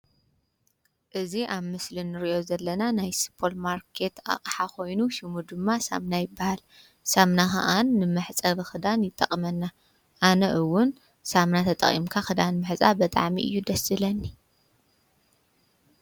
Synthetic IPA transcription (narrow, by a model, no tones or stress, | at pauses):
ʔɨziʔaβmɨslinɨɾiʔo̞zɐlːɐnanajsɨ̥pʰo̞lmaɾkʰe̞t̪a̰qʼħakʰo̞jnuʃɪmud̪ɨmːasa̰mnajɪbːahal | samnaxa̰ʔanːɨmɨħt͡sʼɐβɨxɨd̪anjɪt̪ʼːɐ̰qʼmɐnːa | ʔanɐʔɨwːʊn | samnat̪ʰɐt̪ʼɐ̰χʼḭmkʰaxɨd̪anmɨħt͡sʼabɐt̪ʼa̰ʕmḭʔɨ̰jːud̪ɐsɨlɐnːi